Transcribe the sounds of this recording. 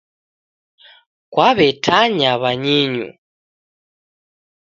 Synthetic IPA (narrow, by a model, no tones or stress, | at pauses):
kwaβɛtʰaɲaβaɲiɲṵ